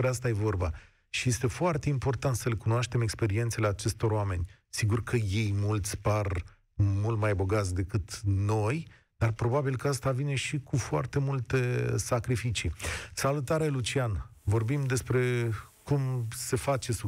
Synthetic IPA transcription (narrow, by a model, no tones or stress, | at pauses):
pɾeast̪aje̞vo̞rba | ʃije̞st̪e̞foart̪e̞impo̞rt̪ant̪səle̞kunoaʃt̪eme̞kspe̞ɾie̞nt̪se̞le̞at͡ʃe̞st̪o̞ɾoame̞nʲ | siɡurkʰəje̞jmult̪sʲpar | mult̪majbo̞ɡat̪sʲd̪e̞kɨt̪no̞j | d̪arpɾo̞babilkəast̪avine̞ʃikufoa̰rt̪e̞mult̪esakɾifit͡ʃisalut̪aɾelut͡ʃianvo̞rbimd̪e̞spɾe̞kumse̞fat͡ʃe̞su